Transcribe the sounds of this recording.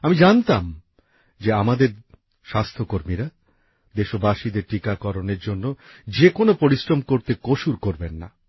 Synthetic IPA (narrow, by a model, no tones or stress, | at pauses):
amid͡ʑant̪am | d͡ʑeamad̪eɾ | ʃast̪ʰokoɾmiɾa | d̪eʃobaʃid̪eɾʈikakɔɾoneɾd͡ʑonːod͡ʑekonopoɾisɾomkoɾt̪ekoʃuɾkoɾbenːa̰